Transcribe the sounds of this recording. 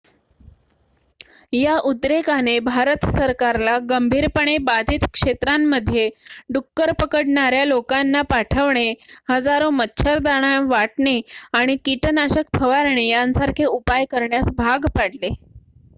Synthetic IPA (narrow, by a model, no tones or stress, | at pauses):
jaʔut̪ɾekanebʱaɾət̪səɾkaɾlaɡəmbʱiːɾpəɳ̃ebad̪ʱiːt̪kʂet̪ɾamːəd̪ʱːjeɖukːəɾpəkəɽɳaɾjalokanːapaʈʰəʋɳehəd͡zaɾomətːɕʰəɾd̪aɽ̃aʋaʈɳeaɽ̃ikiʈnaɕək̚pʰəʋaɾɳejansaɾkʰeupajkəɾɳjasbʱaɡpaɽle